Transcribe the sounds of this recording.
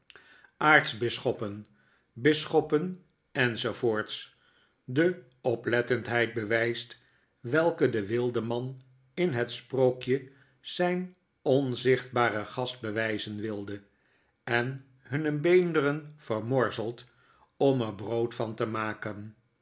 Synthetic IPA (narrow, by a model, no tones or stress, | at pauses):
aːɹtzbɪsχɔpən | bɪsχɔpən | ɛnzowvoːɹts | də | ɔplɛtəntɦɛjd̚bəʋɛjst | ʋɛlˠkədəʋɪlˠdəmɑn | ɪnɦətsprokjə | z̥ɛjn | ɔnzɪχd̚baːrəχɑsd̚bəʋɛjzənʋɪlˠdə | ɛn | ɦɵnəbejndərənv̥ərmɔɹzəlˠt | ɔməɹbrowtfɑntəmaːkən